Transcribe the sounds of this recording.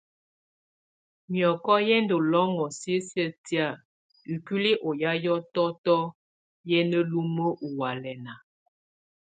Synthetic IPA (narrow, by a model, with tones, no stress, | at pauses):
mjɔ˨kɔ˦jɛ˦ndo˨lɔ˦ŋɔ˨si˦sjə˦˨ti˦a˦˨ | i˨ki˦li˦ʔo˨ja˦jɔ˦tɔ˦tɔ˦ | jɛ˦nə˦lu˦mə˦ʔu˨wa˨lɛ˨na˨